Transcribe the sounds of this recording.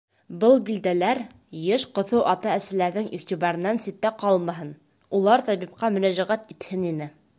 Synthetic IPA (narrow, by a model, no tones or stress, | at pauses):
bɤlˠbild̪ælæɾ | jɘʃqŏθɤwʔɑt̪ɑæsɘ̆læɾðɘŋḭʁt̪ibɑɾɘ̆nːænsit̪ːæqɑlˠmɑɦɤn | ulˠɑɾt̪ɑβip̚qɑmɵ̆næʑæʁæt̪it̪hɘninɘ